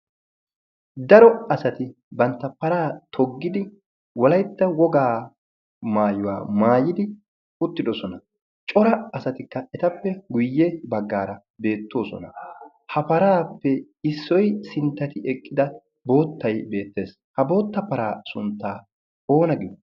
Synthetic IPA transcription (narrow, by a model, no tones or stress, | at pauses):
d̪ɐɾɔɐsɐt̪ɪ | bɐnt̪ːɐpɐɾaːt̪ʰɔɡːɪd̪ɪ | wɔlɐjt̪ːɐwɔɡaː | maːjʊwa̰ːmaːjɪd̪ɪ | ʊt̪ːɪd̪ɔsɔnɐ | t͡ʃʼɔɾɐɐsɐt̪ɪkːɐɛt̪ɐpːɛɡʊjːɛbɐɡːaːɾɐ | be̞ːt̪ːo̞ːsɔ̰nɐ̰ | hɐpɐɾaːpːɛ | ɪsːɔjsɪnt̪ːɐt̪ɪɛkʼːɪd̪ɐ | bo̞ːt̪ːɐjbe̞ːt̪ːe̞ːs | hɐbo̞ːt̪ːɐpɐɾaːsʊnt̪ːaː | o̞ːnɐɡɪd̪